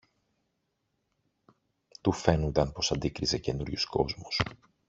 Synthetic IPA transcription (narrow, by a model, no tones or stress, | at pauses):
t̪ufe̞nund̪ɐnpo̞sɐnd̪ikɾize̞ce̞nuɾʝusko̞zmus